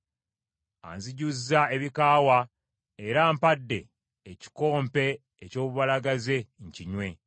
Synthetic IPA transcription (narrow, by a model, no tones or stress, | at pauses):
a̰nziɟuzːae̞βikaːwa | eɾaːmpadːe̞ː | ci̥ko̞ːmpe̞ː | co̞ːβuβalaɡaze̞ɲciɲwe̞